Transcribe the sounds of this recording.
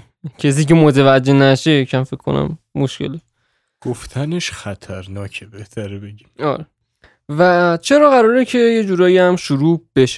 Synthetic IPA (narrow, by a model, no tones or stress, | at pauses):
cʰes̬iːce̞mot̪ʰevæd͡ʒːenæʃe̞cʰæmfekʰkʰːo̞̰næ̰mːoʃcʰe̞̰le | ɡ̥oft̪ʰæneʃxæt̪ʰæɾnɒːcʰebeht̪ʰæɾebeɟimɒ̰ːɾe | væt͡ʃʰe̞ɾɒːɣæɾɒːɾecʰe̞je̞d͡ʒuːɾɒːjiæmʃuɾuːb̥e̞ʃe̥